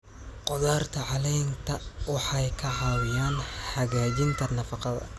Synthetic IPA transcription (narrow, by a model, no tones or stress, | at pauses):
qɔðaːrt̪ʰɐʕɑlɛjnt̪ʰɐwɑħɑjkʰɐʕɑːwɪjaːnħɐɣaːt͡ʃɪnt̪ʰɐnɐfɑqɑðɐ̰